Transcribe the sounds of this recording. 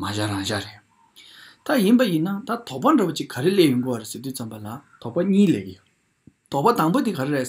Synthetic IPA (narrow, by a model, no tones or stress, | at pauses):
maɕaraŋɕareʔ | t̪ajinpajinːat̪at̪ʰɔʔpaɳɖ͡ʐawot͡ɕikʰːaɾeleʔjuŋɡiwɔɾeset̪yːt͡sambalat̪ʰɔʔpaɲiːlekijø | t̪ʰɔʔpat̪aŋpot̪ikʰaɾeɹe